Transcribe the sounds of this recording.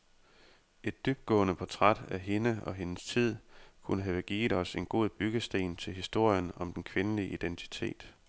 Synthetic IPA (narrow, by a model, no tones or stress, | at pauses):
ʔe̝d̥ːyb̥̚d̥̚ɡ̥ɔ̰̽ːnəpʰɒt͡sʰʁad̥æɦe̝nəɒ̽ɦe̝nəst͡sʰið̞̰ˠkʰunəɦæʋəɡ̥iːɒ̽se̝nɡ̥o̝ð̰ˠb̥yɡ̥əsd̥e̝̰ːnt͡sʰe̝lɦisd̥o̝ɐ̰jənɒ̽md̥enkʰʋe̝nəliʔid̥ent͡sʰi̥t͡sʰe̝̰ːd̥